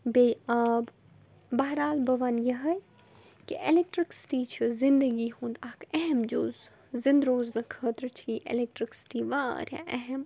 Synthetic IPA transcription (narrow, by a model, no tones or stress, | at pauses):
bejaːb | bɐɦɾaːlbɐʋaːnjɐɦɐj | kiʔelek̚ʈɾɪksɪ̥ʈiːt͡ʃʰizɪnd̪əɡiɦũːnd̪akɛɦɛmd͡ʒoːz | zɪ̃nd̪ɾoːznɐkʰəːt̪ɾt͡ʃʰiʔḛlek̚ʈɾɪksɪ̥ʈiʋaːɾã̰ʔɛɦɛm